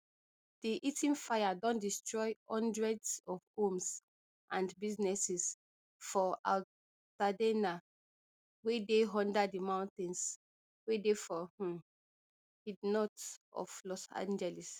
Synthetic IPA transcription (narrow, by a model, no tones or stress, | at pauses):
d̥iʔitĩnfajadɔ̃ndistɹɔjɔ̃ndɹɛdsɔfõms | ʔãndbiznɛsis | fɔʔa̰l | tadena | wedeɦɔ̃ndadimãw̃ntɛ̃ns | wedefɔhũm | hidnɔtɔ̰flɔsã̰nd͡ʒɛlis